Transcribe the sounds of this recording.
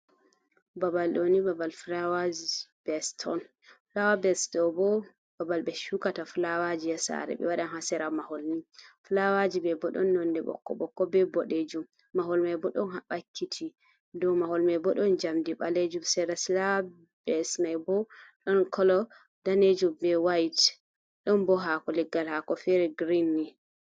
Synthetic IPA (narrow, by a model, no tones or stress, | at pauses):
babalɗonibabalflawad͡ʒib̥ɛstʰɔ̰n | flawabɛstɔbɔ | babalbɛʃukatafulawad͡ʒijasa̰ɾɛ̰ɓɛ̰waɗanhasɛɾamaholnifulawad͡ʒibɛbɔɗɔ̰nːɔndɛɓɔ̰kːɔ̰ɓɔkːɔbɛbɔɗed͡ʒumː | aɦolmajbɔɗɔnhaɓakʰːitʰi | dɔmaɦolmajbɔɗɔnd͡ʒamdiɓaled͡ʒumsɛɾaslaw | bɛsnajbɔɗɔnkʰɔlɔ | d̥aned͡ʒumbɛwajt | ɗɔnbɔɦakɔlɛɡːalhakɔfɛɾɛɡɾinːi